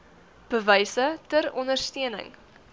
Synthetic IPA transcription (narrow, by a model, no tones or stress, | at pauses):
b̥əvəjsətəɾɔndərstiənə̰ŋ